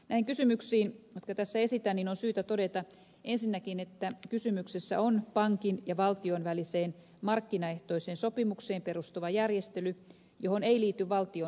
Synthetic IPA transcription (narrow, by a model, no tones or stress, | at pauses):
næiŋkysymyksiːnjot̪kɑt̪æsːæesit̪ænninonsyːt̪æt̪odet̪ɑ | ʔensinːækinet̪ːækysymyksesːæ̰onpɑŋkinjɑʋɑlt̪ionʋæliseːn | mɑrkːinɑeht̪oiseːnsopimukseːmperust̪uʋɑjærjest̪ely | johoneiliːt̪ːyʋʋɑlt̪io